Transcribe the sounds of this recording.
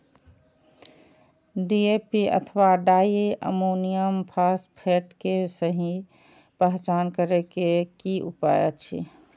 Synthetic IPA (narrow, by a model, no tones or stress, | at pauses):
ɖiepiə̰t̪ʰʋaɖaːiʔə̰monijəmpʰaspʰeʈkesəɦi | pəɦt͡ʃaːnkəɾekekiʔupajət͡ʃʰḭ